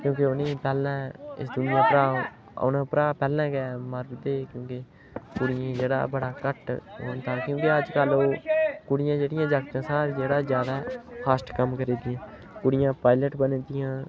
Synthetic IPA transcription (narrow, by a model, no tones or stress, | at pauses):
kjõːkeoneːpɛːlãːɪ̰sd̪ʊnɪjãːpəɾaː | o̰nãpəɾaːpɛːlãːɡɛːməɾbd̪eːkjõːke | kʊɽɪjãːd͡ʒeːɽa̰ːbəɽaːkəʈɦoːnt̪ãːkjõːkeəd͡ʒkəloːkʊɽɪjãːd͡ʒeːɽɪjãːd͡ʒakt̪ãːsaːɾd͡ʒeːɽaːzjaːd̪aːpʰaːsʈkəmkəɾeːd̪ɪjãː | kʊɽɪjãːpaːɪləʈbənẽːd̪ɪjãː